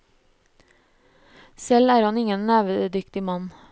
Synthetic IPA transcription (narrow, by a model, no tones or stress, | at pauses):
sɛlæːɾhɑnɪŋənnæːʋəd̪ʏkt̪ɪmɑn